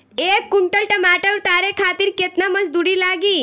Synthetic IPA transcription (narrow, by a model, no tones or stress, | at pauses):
eːkːuɳʈəlʈɐmaːʈəuɾt̪aːɾekʰaːt̪iɾkeːt̪namɐd͡ʒd̪uːɽilaːɡiː